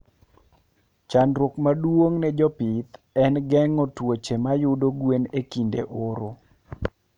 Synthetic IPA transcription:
t͡ʃanɾokmadwoŋnɛd͡ʒɔpit̪ | ɛnɡɛŋɔtwot͡ʃemajʊdoɡwenekindḛʔoɾo

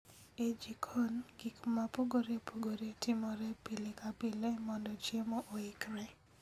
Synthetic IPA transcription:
ed͡ʒikʰɔnɡikmapoɡoɾepoɡoɾetʰɪmɔɾɛpilɪkapɪlemɔndɔt͡ʃemoʔoɪkɾɛ

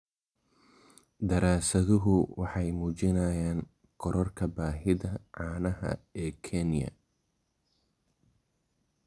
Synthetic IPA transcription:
d̪ɐɾaːsɐðʊɦʊwɑħɑjmuːt͡ʃɪnɐːjaːn | ɡ̥ɔɾɔrkʰɐbaːɦɪðɐʕɑːnɐɦɐ̰ɛːkʰɛnjɐ̰

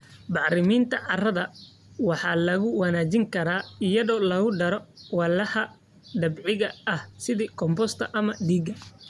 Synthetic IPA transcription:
bɑʕɾɪmiːnt̪ʰɐʕɑrɐðɐ | wɑħɑːlɐɣʊwɐnaːt͡ʃɪŋkʰɐɾaːɪjɐðɔːlɐɣʊɖɐɾɔwɑlɐhɐ | ɖɐbʕɪɣɐɐhsɪðiːkʰɔmbɔst̪ʰɐʔɐmɐɖiːɡɐ

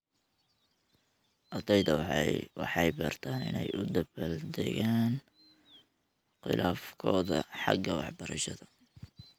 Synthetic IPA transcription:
ʔɐd̪ɛjd̪ɐwɑ̰ħɑjbɐrt̪ʰaːnɪ̰nɛjʔʊd̪ɐbɐld̪ɛɣaːn | qɪ̰lʔaːfkʰɔːðɐħɑ̰ɡɐwɑħbɐɾɐʃɐðɐ

